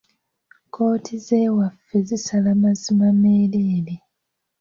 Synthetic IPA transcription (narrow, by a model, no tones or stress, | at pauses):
kʰo̞ːtʰize̞ːwafːe̞zisalamazimameːleːle